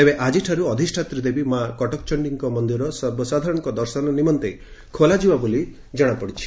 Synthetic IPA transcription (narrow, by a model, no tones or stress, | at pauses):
ebeʔad͡ʒiʈʰaɾuɔd̪ʱisʈʰat̪ɾid̪ebimakɔʈɔkt͡ʃɔɳɖiŋkɔmɔnd̪iɾɔsɔbɔsad̪ʱaɾɔ̃ɽɔ̃ŋkɔd̪ɔɾsɔnɔnimɔnt̪e | kʰolad͡ʒibaboli | d͡ʒɔɽ̃apɔɽit͡ʃʰi̥